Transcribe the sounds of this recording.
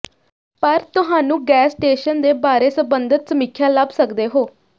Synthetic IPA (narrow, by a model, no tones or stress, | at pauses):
pəɾt̪ʊɦãːnũːɡɛːsʈeːʃənd̪eːbaːɾeːsəbənd̪ət̪səmɪkʰːjãːləbsəkd̪eːɦoː